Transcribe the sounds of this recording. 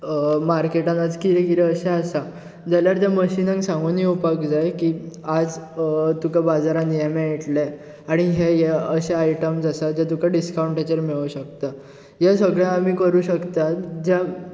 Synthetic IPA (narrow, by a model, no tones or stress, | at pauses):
maɾkeʈãnad͡zkiɾɛkit̪ɾɛəɕaasa | d͡zaljaɾt̪jaməɕinə̃ŋɡsãŋɡuniupakd͡zajkiːad͡zt̪ukabad͡zaɾãnijamẽeʈle | aɽ̃iɦeɦeəɕaaiʈəmsasad͡ʑat̪ukaɖiskawuɳʈet͡ɕəɾmeɭuɕəkt̪a | jasəɡɭãamiːkəɾuːɕəkt̪at̪d͡ʑa